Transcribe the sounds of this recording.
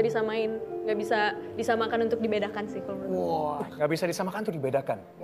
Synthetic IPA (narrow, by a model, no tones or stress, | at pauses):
adisamaɪnŋɡaʔbisadisamakanunt̪ʊk̚dibedakansɪhkomaɔŋɡaʔbisadisamakannt̪ʊk̚dibedakan